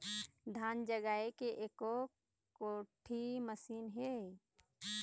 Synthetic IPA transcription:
d̪ʱaːnd͡ʒəɡaːekeʔeːko | koʈʰiməsiːnɦe

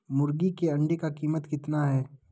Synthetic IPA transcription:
mʊɾɡikeɐ̃ɳɖekakiːmət̪kɪt̪naɦɛː

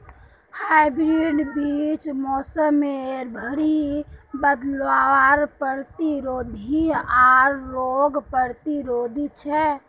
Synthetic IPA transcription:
haaɪbɾiɖbit͡ʃmɔːsəmːeɾbʱəɽibəd̪lʋaaɾpəɾt̪iɾod̪ʱiaɾːoɡpəɾt̪iɾod̪ʱit͡ʃʰɛ

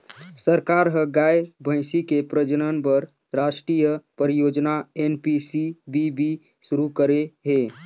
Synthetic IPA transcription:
səɾkaːɾɦəɡaːebʱə̃ɪ̃sikepɾəd͡ʒnənpəɾ | ɾaʃʈɾijəpəɾijoːd͡ʒnaenpisibʱibʱi | ʃʊɾukəɾeɦeː

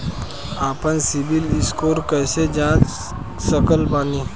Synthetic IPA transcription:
aːpənsɪbɪlɪskoːɾkəːsed͡ʒãːt͡ʃ | səkəlbaːniː

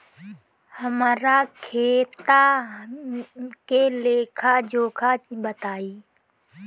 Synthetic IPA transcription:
həmaːɾaːkʰeːt̪aː | keleːkʰaːd͡ʒoːkʰaːbət̪aːiː

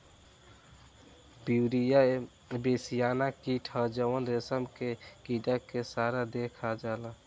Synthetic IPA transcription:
biːɾija | besijaːnakiʈʰəd͡ʒəwənɾesəmkekiɖakesaːɾad̪ekʰad͡ʒaːla

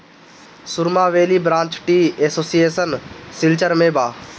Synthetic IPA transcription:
sʊɾmaːʋeːlibɾãːɲt͡ʃʈiːesoːsijeːsənsɪlt͡ʃəɾmẽːbaː

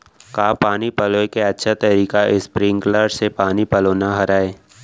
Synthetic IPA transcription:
kaːpaːnipəloekeɐtːʃʰat̪ɐɾiːkaʔɪspɾɪ̃ŋɡləɾɖsepaːnipəloːnaɦɐɾaːeː

